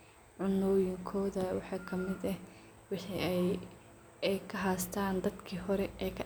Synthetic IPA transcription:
ʕʊnɔːjɪŋkʰɔːðɐwɑħɑːkʰɐmɪd̪ɐ | wɑħiɛj | ɛjkʰɐɦaːst̪ʰaːnd̪ɐd̪kʰiːɦɔɾɛɛːkʰɐ

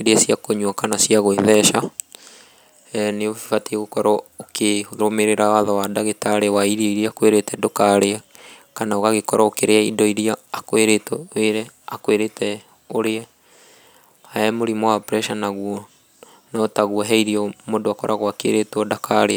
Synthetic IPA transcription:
eɾeasiakoɲwakanasiaɣoeðɛʃa | neofifateeɣokɔɾɔokʰeoomeɾeɾawaðɔwadaɣetaɾewaiɾiɔiɾiaakweɾetɛdokaɾea | kanaoɣaɣekɔɾaokeɾeaidɔiɾiaːkweɾetɔweɾɛ | akweɾetɛ | oɾeɛ | aɛmoɾimwaɔpɾɛʃanaɣwɔ | nɔtaɣuɔɦɛiɾiɔmodoakɔɾʔaɣwakḛɾetwɔdakaɾea

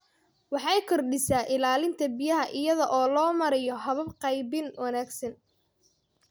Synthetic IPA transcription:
wɑħɑjkʰɔrɖɪsaːʔɪlaːlɪnt̪ʰɐbɪjɐɦɐʔɪjɐðɐʔɔːlɔːmɐɾɛjɔɦɐβɐb̚qɑjbɪnwɑnaːɡsɐn

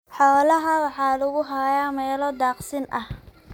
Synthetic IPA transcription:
ħɔːlɐɦɐwɑħɑːlʊɣʊɦajamɛːlɔd̪aːqsɪnʔɐh

